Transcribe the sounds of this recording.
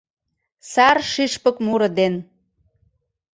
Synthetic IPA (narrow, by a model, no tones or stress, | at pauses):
sɑrʃiʃpə̆kmuɾɤ̆d̪en